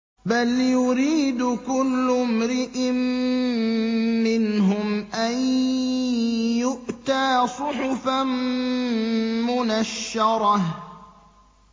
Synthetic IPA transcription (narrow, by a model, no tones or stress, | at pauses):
baljʊɾiːd̪ʊkʊlːʊmɾɪʔɪm | ɪnɦʊmʔan | jʊʔt̪aːsˤʊħʊfam | mʊnaʃːɑɾˤɑh